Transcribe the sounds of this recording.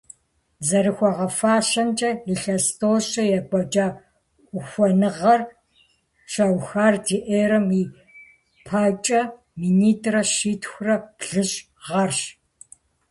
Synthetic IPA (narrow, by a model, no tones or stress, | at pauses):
zɐɾɨxʷɔʁɐfaːɕɐnt͡ʃʼɐiɬɐstʰoːɕɐjɛkʷʼɔt͡ʃʼaː | ʊxʷɔnɨʁɐr | ʃawxaːrdiʔeːɾɐmiː | pʰaːt͡ʃʼɐ | miniːtʰʼrɐʃiːtʰxʷrɐb̥ɮɨɕ | ʁɐrɕ